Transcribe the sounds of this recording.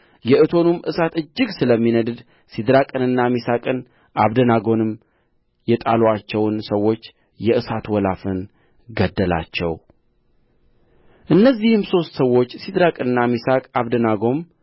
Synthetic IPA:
jɛʔɨt̪ʰo̞numʔɨsat̪ɨd͡ʒːɨɡsɨləmːinəd̪ɨd̪ | sid̪ɾakʼɨnɨnːamisakʼɨn | ʔaβd̪ənaɡo̞nɨm | jɛt̪ʼaloat͡ʃːɛwnsəwːo̞t͡ʃː | jɛʔɨsat̪wɔlafɨn | ɡəd̪ːəla̰t͡ʃːɛ̰w | ʔɨnːəzːihɨmso̞st̪səwːo̞t͡ʃːsid̪ɾakʼɨnɨnːamisakʼaβd̪ənaɡo̞m

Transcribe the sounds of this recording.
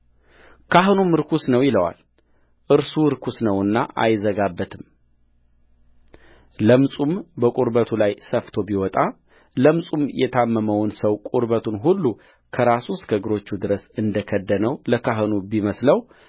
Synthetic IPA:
kʰaɦɨnumɨɾkʰusnəwjɪləwa̰l | ʔɨɾsuɾkʰusnəwɨnːa̰ʔa̰jzəɡabːət̪ʰɨm | ləmsʼumbəkʼuɾbət̪ʰulajsəft̪ʰo̞biwɔt̪ʼa | ləmsʼumjɛt̪ʰamːəməwnsəwkʼuɾbət̪ʰunɦulːu | kʰəɾasuskəɡɨɾo̞t͡ʃːud̪ɨɾəsɨnd̪əkʰəd̪ːənəwləkʰaɦɨnubiməsləw

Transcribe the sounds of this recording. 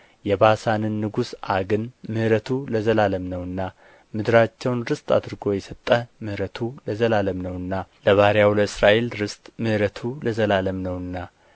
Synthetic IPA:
jɛbasanɨnːɨɡusʔaɡɨnmɨhɾət̪ʰuləzəlaləmnəwɨnːa | mɨd̪ɾat͡ʃːɛwnɾɨst̪ʼa̰d̪ɾɡo̞jɛsət̪ʼːəmɨhɾət̪ʰuləzəlaləmnəwɨnːaləβaɾjawləɨsɾaʔe̞lɾɨst̪ʼmɨhɾət̪ʰuləzəlaləmnəwɨnːa

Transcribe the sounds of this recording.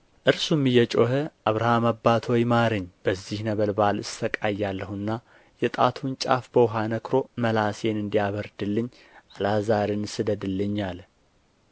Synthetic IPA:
ʔɨɾsumɨjɛt͡ʃʼohəʔaβɾahamabːat̪ʰojmaɾɨɲːb̥əzːihnəβəlbalɨst̪ʰəkʼajːalːəhɨnːa | jɛt̪ʼat̪ʰunt͡ʃʼafbəwɦanəkɾo̞məlase̞nɨnd̪ijaβəɾd̪ɨlːɨɲː | ʔalazaɾɨnsɨd̪əd̪ɨlːɨɲːal

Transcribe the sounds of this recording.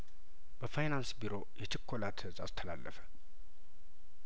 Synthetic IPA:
b̥əfajnansbiɾo̞jɛt͡ʃʰɪkʰːo̞lat̪ʰhɨzʼast̪ʰəlalːʔəfə̥

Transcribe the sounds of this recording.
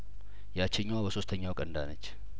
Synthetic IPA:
jat͡ʃːɪɲːwabəso̞st̪ʰəɲːawkʼənd̪anət͡ʃː

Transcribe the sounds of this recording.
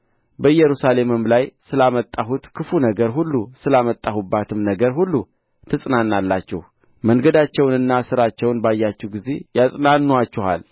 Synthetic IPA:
bəjɛɾusale̞mɨmlajsɨlamət̪ʼːaɦut̪kʰɨfunəɡəɾɦulːusɨlamət̪ʼːahubːat̪ʰɨmnəɡəɾɦulːu | t̪ʰɨsʼnanːalːat͡ʃːɛ̰h | məŋɡəd̪at͡ʃːɛwnɨnːasɨɾat͡ʃːɛwnbajːat͡ʃːɛhɡize̞̰jasʼnanːuat͡ʃːɛha̰l

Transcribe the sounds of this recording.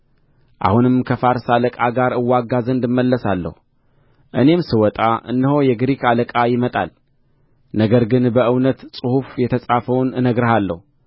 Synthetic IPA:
ʔa̰hunɨmkʰəfaɾsaləkʼaɡaɾɨwːaɡazənd̪ɨmːəlːəsalːə̰hu | ʔɨne̞msɨwɔt̪ʼaʔɨ̰nːɨhojɛɡɾikaləkʼajɪmət̪ʼa̰l | nəɡəɾɡɨnbəʔɨwnət̪sʼɨhufjɛt̪ʰəsʼafəwnɨnəɡɾəhalːə̰hu

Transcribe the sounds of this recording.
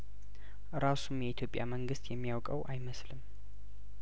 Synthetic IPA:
ɾasumjɛit̪ʰjo̞pʼja̰məŋɡɨst̪jɛmːijawkʼəwʔajməslɨm

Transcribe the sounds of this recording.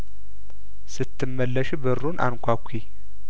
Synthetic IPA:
sɨt̪ʰːɨmːəlːəʃbɨɾunʔa̰nkʷʰakʷʰːi

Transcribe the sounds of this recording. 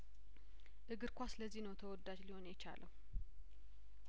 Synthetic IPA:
ʔɨɡɨɾkʷʰasləzːinəwt̪ʰəwɔd̪ːad͡ʒliho̞njɛt͡ʃa̰lʔəw

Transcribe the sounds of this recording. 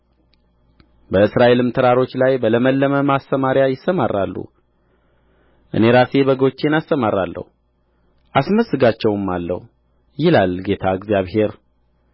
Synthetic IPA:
bəɨsɾaʔe̞lɨmt̪ʰɨɾaɾo̞t͡ʃːlajbələməlːəməmast̪əmaɾjajɪsːəmarːalːṵ | ʔɨ̰ne̞ɾase̞bəɡo̞t͡ʃːenast̪əmaɾa̰lːə̰hu | ʔasməsːɨɡat͡ʃːɛwmːalːə̰hu | jɪlalɡe̞t̪ʰaɨɡzjaβhe̞ɾ

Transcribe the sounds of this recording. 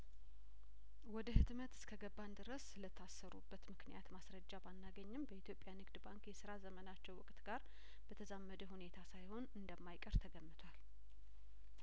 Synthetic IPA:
wɔd̪əhɨt̪mət̪ɨ̥skʰəɡəbːand̪ɨɾəsɨlət̪ʰːasːəɾubːət̪mɨknijat̪masɾəd͡ʒːabanːaɡəɲːɪmbəʔit̪ʰjopʼjanɨɡd̪baŋkjɛsɨɾazəmənat͡ʃːɛwʊkʼt̪ɡaɾ | b̥ət̪ʰəzamːəd̪əhune̞t̪ʰasajho̞nɨnd̪əmːajkʼəɾt̪ʰəɡəmːɨt̪ʰwal

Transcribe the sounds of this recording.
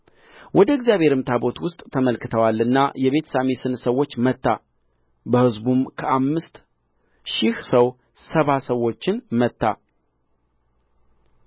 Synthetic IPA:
wɔd̪əɪɡzijaβhe̞ɾɨmt̪ʰabo̞t̪wʊst̪ʼt̪ʰːəməlkɨt̪ʰəwalːɨnːajɛβe̞t̪ʰə̥samesɨnsəwːo̞t͡ʃːmət̪ːa | bəhɨzbumkʰəʔamːɨst̪ | ʃɪhsəw | səβasəwːo̞t͡ʃːɪnmət̪ːa̰

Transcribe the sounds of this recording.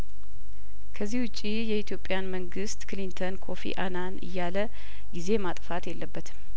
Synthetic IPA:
kʰəzːihwʊt͡ʃʼːijɛit̪ʰjo̞pʼːjanməŋɡɨst̪kɨlint̪ʰənkʰo̞fḭʔananɨ̰jːalə | ɡize̞mat̪ʼfat̪jɛlːəbːət̪ʰɨ̥m

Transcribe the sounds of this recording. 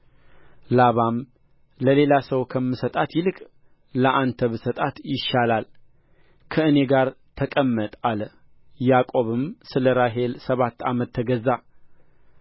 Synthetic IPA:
laβam | ləle̞lasəwkʰəmːɨsət̪ʼat̪jɪlɨkʼ | ləʔant̪ʰəβɨsət̪ʼat̪jɪʃːalal | kʰəɨne̞ɡaɾ | t̪ʰəkʼəmːət̪ʼalə | jakʼo̞βɨmsɨləɾaɦe̞lsəβat̪ːa̰mət̪ʰːəɡəza

